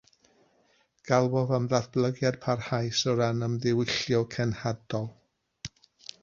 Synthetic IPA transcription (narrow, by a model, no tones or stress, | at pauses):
ɡ̥alˠboðəmðaθb̥lˠəɡjad̥̚pʰarhajsɔɾanəmðɪwɪɬjɔkʰɛnhadɔlˠ